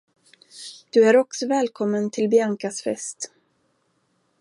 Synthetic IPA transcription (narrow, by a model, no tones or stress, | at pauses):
d̪̥ɵæɾɔksɔvɛːlkʰɔmːənt̪ʰɪlbjaŋkasfɛ̰st̪